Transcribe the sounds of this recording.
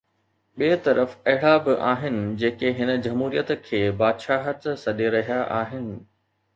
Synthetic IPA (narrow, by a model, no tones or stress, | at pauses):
ɓiːt̪ɐɾəfɐɦɪɽabɪʔaːɦɪnɪ̆d͡ʑeːkeɦɪnə̆d͡ʑɐmɦuːɾijət̪kʰeːbaːd̪ʃaːɦət̪sɐɗeɾɐɦijaʔaːɦɪnɪ̆